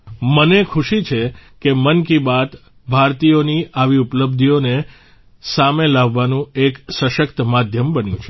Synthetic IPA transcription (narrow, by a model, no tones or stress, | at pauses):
mənekʰuʃit͡ʃʰekemənkibat̪ | bʱaɾt̪ijoniʔaʋiupləb̚d̪ʱijone | samelaʋːanũeksəʃəkt̪mad̪ʱjəmbənjũt͡ʃʰe